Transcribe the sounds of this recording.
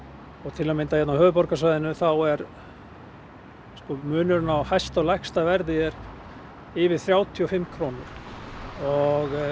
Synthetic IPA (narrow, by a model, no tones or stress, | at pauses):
ɔɣt̪ʰɪlamɪnt̪ajɛt̪nawhœːðʏpɔɾkasvajðɪnʏθawɛɾ | skɔmʏːnʏɾnawhajst̪alajhkst̪avɛɾðɪɛɾ | ɪvɪðθɾjaːwt̪ʰiɔfɪmːkʰɾoːnʏɾ̥ | ɔɣ